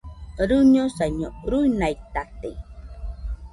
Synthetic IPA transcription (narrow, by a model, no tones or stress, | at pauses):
ɾuɲosaɲoɾujnajt̪at̪ḛ